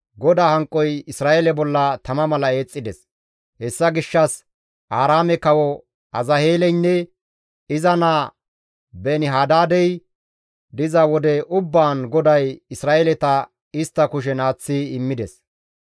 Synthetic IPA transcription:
ɡɔd̪aːhɐŋkʼːɔjɪsɾaːʔelɛbɔlːɐt̪ɐmɐmɐlɐe̞ːt͡sʼːɪd̪ɛs | hɛsːɐɡɪʃːɐs | ʔaːɾaːmɛkɐwɔ | ɐzɐheːlɛjnːɛ | ɪzɐnaː | bɛnɪɦaːd̪aːd̪ɛj | d̪ɪzɐwɔd̪ɛʔʊbːaːnɡɔd̪ɐjɪsɾaːʔelɛt̪ɐ | ɪst̪ːɐkʊʃ̬ɛnaːt͡sːiɪmːɪd̪ɛs

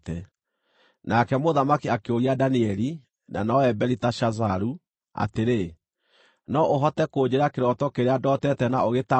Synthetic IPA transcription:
tɛ | nakɛmoðamakiakeoɾiadaniɛɾi | na̰nɔɛbɛɾitaʃazaɾu | a̰teɾe | nɔʔoɦɔtɛkoːd͡ʑeɾakeɾɔtɔkeɾeadɔtɛtɛnaoɣeta

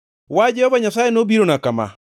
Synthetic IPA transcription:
wad͡ʒɛhɔbaɲasajenobiɾonakama̰

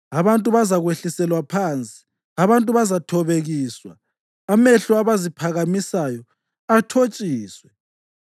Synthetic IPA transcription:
aβantʼuβazaɣweɬisɛlwapʰaːnt͡sʼi̥ | aβantʼuβazatʰɔβeɣiːswa̰ː | meɬuaβazipʰaɣamisajɔ | atʰot͡ʃʼiːswɛ

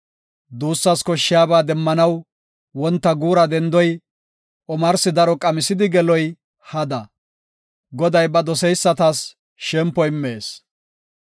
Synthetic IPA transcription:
d̪uːsːɐskɔʃːɪjaːbaːd̪ɛmːɐnɐw | wɔnt̪ːɐɡuːɾɐd̪ɛnd̪ɔj | ʔɔmɐɾsɪd̪ɐɾɔkʼɐmɪsɪd̪ɪɡɛlɔj | hɐd̪ɐ | ɡɔd̪ɐjbɐd̪ɔsɛjsːɐt̪as | ʃɛmpːɔjɪmːe̞ːs

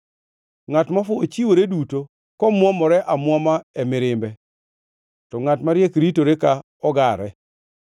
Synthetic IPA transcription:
ŋatmafʊot͡ʃiwoɾeduto | kɔmwɔmɔɾɛʔamwɔmaɛmɪɾɪmbɛ | tɔŋatmaɾjekɾitoɾeka | ɔɡaɾɛ

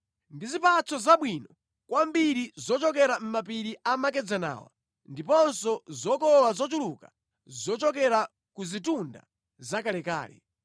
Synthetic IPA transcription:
ndizipat͡sʰɔzaɓwiːnɔ | kwambiɾizɔt͡ʃɔkɛɾam̩map̬iɾiʔamak̬ɛd͡zana̰ːwa̰ | ndipɔnsɔzɔkɔɔlazɔt̬uluka | zɔt͡ʃɔkɛɾa | kuzitunda̰ | zakalɛka̰ːlɛ̰

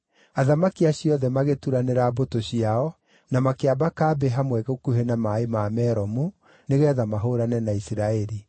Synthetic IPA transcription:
aðamakiaɕiɔðɛmaɣetuɾaneɾabotoɕiaɔ | namakeabakaːbeɦamwɛɣokuɦenamaemamɛɾɔmu | neɣɛðamaɦoɾanɛnaisiɾaɛɾi

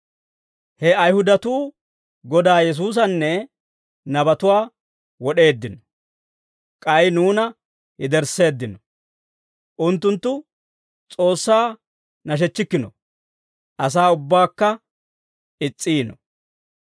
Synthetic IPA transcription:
hɛɐjhʊd̪ɐt̪uː | ɡɔd̪aːjɛs̬uːs̬ɐnːɛ | nɐbɐt̪ʊwaː | wɔɗe̞ːd̪ːɪnɔ | kʼɐjnuːnɐ | hɪd̪ɛɾse̞ːd̪ːɪnɔ | ʔʊnt̪ːʊnt̪ːʊ | t͡sʼo̞ːsːaː | nɐʃ̬ɛt͡ʃːɪkːɪnɔ̰ | ʔɐs̬aːʊbːaːkːɐ | ɪt͡sʼːiːnɔ

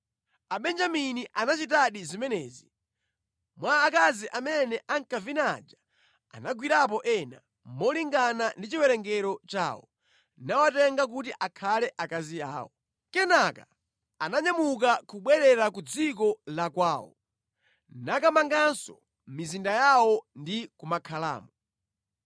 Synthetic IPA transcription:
aɓɛnd͡ʒaminiʔanat͡ʃit̬aɗizimɛnɛːzi | mwaːkaziʔamɛnɛʔaŋkavinad͡ʒa | a̰naɡwiɾap̬ɔʔɛna̰ | mɔliŋɡanandit͡ʃiwɛɾɛŋɡɛɾɔt͡ʃa̰ːwɔ̰ | nawatɛŋɡak̬utiʔakʰalɛʔakazia̰ːwɔ̰ | kɛnaka | anaɲamuk̬akuɓwɛɾɛɾak̬ud͡zikɔlakwaːwɔ̰ | nakamaŋɡansɔ | mizindajawɔndikumakʰala̰ːmɔ

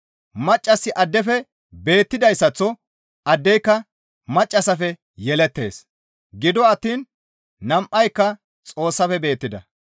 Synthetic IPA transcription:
mɐt͡ʃʼːɐsːɪʔɐd̪ːɛfɛ | be̞ːt̪ːɪd̪ɐjsːɐt͡sːɔ | ʔɐd̪ːɛjkːɐ | mɐt͡ʃʼːɐsɐfɛ | jɛlɛt̪ːe̞̰ːs | ɡɪd̪ɔɐt̪ːiːn | nɐmʔɐjkːɐ | t͡sʼo̞ːsːɐfɛbe̞ːt̪ːɪd̪ɐ

